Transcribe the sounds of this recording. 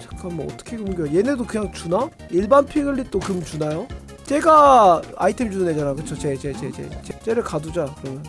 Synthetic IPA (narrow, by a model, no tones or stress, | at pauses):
t͡ɕḁk͈anwʌʌ̰t͈ʌ̥kʰeɡɯmɡʌjoje̞nedokɯɲaŋt͡ɕuna | iɭbanpʰieɡɯɭːit͈okɯmt͡ɕunajo | t͡ɕ͈e̞ɡaaitʰe̞md͡ʑunɯned͡ʑanakɯt͡ɕʰot͡ɕet͡ɕet͡ɕet͡ɕḛt͡ɕet͡ɕ͈e̞ɾɯɭkadud͡ʑakɯɾʌmjʌn